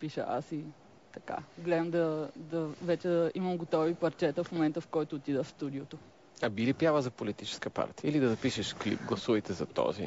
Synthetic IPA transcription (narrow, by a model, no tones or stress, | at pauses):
piʃə̰a̰si | t̪ɐka̰ɡlɛd̪əmd̪ɐd̪ɐvɛt͡ʃɛd̪iməmɡot̪ɔvipˠɐɾt͡ʃɛt̪əfmomɛnt̪əfkɔjt̪oːt̪id̪əfst̪ud̪iot̪o | ɐbilipjavəzɐpolit̪it͡ʃɛ̥skəpa̰ɾt̪ijəilid̪ɐzɐpiʃɛʃklḭp̚ɡlˠɐsuvɐjt̪ɛzɐt̪ɔ̰zḭ